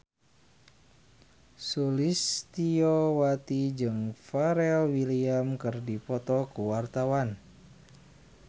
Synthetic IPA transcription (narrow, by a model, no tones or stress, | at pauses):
sulist̪iowat̪id͡ʒɨŋfaɾɛlwiliamkɨrdipɔt̪ɔkuwart̪awan